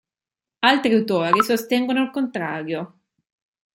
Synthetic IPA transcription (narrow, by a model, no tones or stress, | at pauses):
alt̪ɾeawt̪ɔːɾisost̪ɛŋɡonoalkont̪ɾaːɾjo